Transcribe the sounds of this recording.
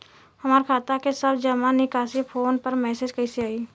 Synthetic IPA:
hɐmaːɾkʰaːt̪akesɐbd͡ʒɐmanɪkaːsipʰoːnpəɾmɛːseːd͡ʒkɐɪseaːiː

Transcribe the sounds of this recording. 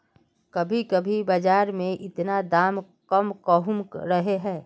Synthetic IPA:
kɐbʱikɐbʱibəd͡ʒaːɾmẽʔɪt̪nad̪aːm | kəmkəɦʊmɾəɦeɦɛ̃ː

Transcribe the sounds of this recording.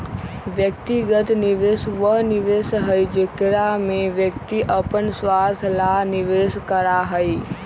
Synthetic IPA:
ʋjəkt̪iɡət̪niʋesʋəɦniʋeːsɦəid͡ʒekɾamẽʋjək̚t̪iʔəpənsʋaːt̪ʰlaniʋeskəɾaɦəi

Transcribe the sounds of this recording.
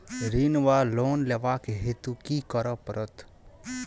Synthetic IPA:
ɾiːnʋaːloːnleʋaːkeɦet̪ukikɔɾəpɾət̪

